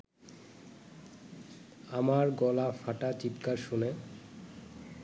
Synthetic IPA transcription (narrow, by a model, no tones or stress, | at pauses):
amaɾɡɔlafaʈat͡ɕipkaɾʃune